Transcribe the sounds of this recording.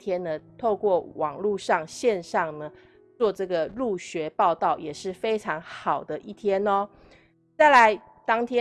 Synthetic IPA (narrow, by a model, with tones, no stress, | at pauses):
t̪ʰjɛ˦nːə˨t̪ʰo˥˧ʊkwɔ˥˩wʔɑ˨˩ŋlu˥˧ʂɑ˥˧ŋɕjɛ˥˧nʂɑ˥˨ŋnə˩ | t͡swɔ˥˧ʈ͡ʂɤ˥˩ɡə˩lu˥˩ɕɥɛ˧˥pɑ˥˧ʊt̪ɑ˥˩ʊjɛ˨˩ʂɻ̩˥˩fe˥ɪʈ͡ʂʰɑ˧˥ŋxɑ˨˩ʊd̪ə˦ʔi˥˩t̪ʰjɛ˥nɔ˧ | t͡sa˥˩ɪla˧˦ɪ | t̪ɑ˥ŋt̪ʰjɛ˥˦